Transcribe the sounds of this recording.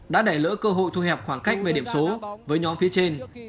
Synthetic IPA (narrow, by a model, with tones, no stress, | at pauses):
ɗa̰ː˧˥ɗa˧˩jlə̰˧˥kəː˧ɦo̰˧˨jt̪ʰu˧hɛ˨˩p̚xwaː˧˩ŋka˦˥jk̟̚ve˨˩ɗi˧˩əmso˨˦vəː˨˦jɲɔ˨˦nfi˨˦ət͡ɕe˧n